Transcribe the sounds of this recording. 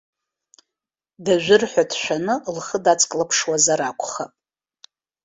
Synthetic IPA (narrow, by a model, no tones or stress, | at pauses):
daʒʷᶣɪrħʷᶣatʰʃᶣʷanɨlχədat͡sʰʼkʼlapʰʂwazaɾakʷʰʼχapʼ